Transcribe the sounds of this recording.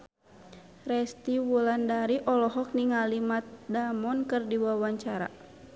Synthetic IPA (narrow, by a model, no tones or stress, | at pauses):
rɛst̪iwulandaɾiʔɔlɔɦɔk̚niŋalimat̪̚damɔnkɨrdiwawaɲt͡ʃaɾa̰